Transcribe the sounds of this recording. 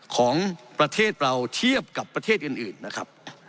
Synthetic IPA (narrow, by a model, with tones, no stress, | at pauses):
kʰɔː˩˦ŋpɾa˧t̪ʰeː˥˩t̪̚ɾa˧wt̪ʰi˥˩əp̚ka˨˩pːɾa˧t̪ʰeː˥˩t̪̚ʔɯː˨˩nʔɯː˨˩nːa˦˥kʰɾa̰˦˥p̚